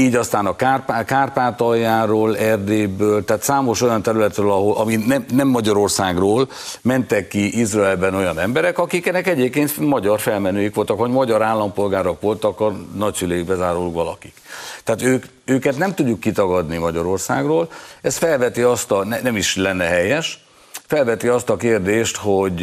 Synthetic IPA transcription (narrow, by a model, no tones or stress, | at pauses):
iːɟɒst̪aːnɒkaːrpakaːrpaːt̪ɒjaːɾoːlɛrd̪eːbøːlt̪aːt̪saːmo̞ʃo̞jɒnt̪ɛɾylɛt̪røːlɒɦo̞lʔɒminɛmnɛmːɒɟɒɾo̞rsaːɡroːl | mɛnt̪ɛkːiʔizrɒɛlbɛno̞jɒnɛmbɛɾɛkɒkikɛnɛkɛɟeːp̚keːnt̪mɒɟɒrfɛlmɛnøːjikʋo̞lt̪ɒkʋoɟmɒɟɒɾaːlːɒmpo̞lɡaːɾokʋo̞lt̪ɒkɒnɒcsyleːiɡbɛzaːɾulukʋɒlɒ̰kikt̪ɛaːt̪øːk | øːkɛt̪nɛmt̪uɟːukːit̪ɒɡɒd̪nimɒɟɒɾo̞rsaːɡroːlɛst̪fɛlvɛt̪iɒst̪ɒnɛnɛmiʃlɛnːɛɦɛjɛʃ | fɛlvɛt̪iɒst̪ɒkeːrd̪eːʃt̪hoɟ